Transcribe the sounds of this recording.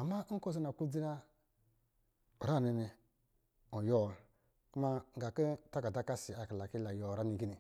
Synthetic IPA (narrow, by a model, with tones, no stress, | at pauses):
a˨mːa˦ko˦zi˦na˨ku˦d͡zi˦ɾa˦ | o˨ɾa˦˨ni˨ni˨ | o˨jo˦˨l | ku˦ma˦ŋ̩ɡa˨ki˦ta˦ka˨da˦ka˦si˨a˨kla˨ki˦la˨jo˨ɾa˦ni˨ɡi˦ni˨